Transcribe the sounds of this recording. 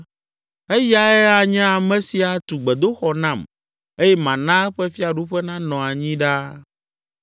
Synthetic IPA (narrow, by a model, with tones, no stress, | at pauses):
e˦ja˨ɛ˦a˨ɲɛ̃˦a˨mɛ̃˨si˨a˨t̪u˨ɡ͡bɛ˨d̪o˦xɔ˨nã˦˨m | e˦jɛ˦mã˨nã˦ɛ˦ɸɛ˦fi˦a˨ɖu˦ɸɛ˦nã˦nɔ̃˨a˨ɲĩ˦ɖa˦